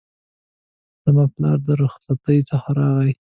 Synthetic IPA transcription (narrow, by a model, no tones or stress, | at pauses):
z̥amaplɑ̰ɾd̪əɾʊxsat̪əjt͡səxaɾɑɣaj